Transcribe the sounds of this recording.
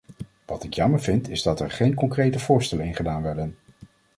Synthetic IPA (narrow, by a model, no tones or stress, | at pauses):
ʋɑtɪkjɑməɹvɪntʰɪzdɑtɛɹχejnkɔŋkrejtəvʊːɹstɛlənɪnχədaːnʋɛɹdən